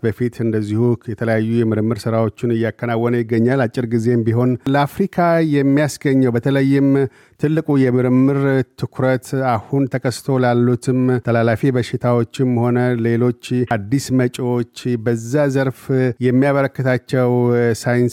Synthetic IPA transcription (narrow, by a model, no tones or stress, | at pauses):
bəfit̪ɨnd̪əzːihujɛt̪ʰələjajːujɛmɨɾmːɨɾsɨɾawo̞t͡ʃːɪnɨjːakːənawːənəjɪɡːəɲːalat͡ʃʼːɪɾɡize̞mbiɦo̞nləafɾikʰajɛmːijasɡəɲːəwbət̪ʰələjːɪm | t̪ʰɨlːɨkʼujɛmɨɾmːɨɾt̪ʰɨkʰɾət̪ahunt̪ʰəkʰəst̪ʰo̞lalːut̪ʰɨmt̪ʰəlalafibəʃɪt̪ʰawo̞t͡ʃːɪmho̞nəle̞lo̞t͡ʃːad̪ːismət͡ʃʼwot͡ʃːbəzːazəɾfjɛmːijaβəɾəkːɨt̪ʰat͡ʃːɛwsajɪns